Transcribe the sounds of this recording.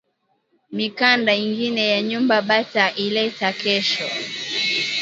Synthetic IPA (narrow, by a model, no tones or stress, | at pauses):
mikandaiŋɡinɛjaɲumbaɓataʔilɛtakɛʃɔ̰